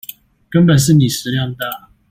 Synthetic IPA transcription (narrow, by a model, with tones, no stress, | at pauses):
kə˥˦npə˨˩nʂ̬ɻ̩˥˩ni˨˩ʂɻ̩˧˦ljɑ˥˧ŋd̪ə˦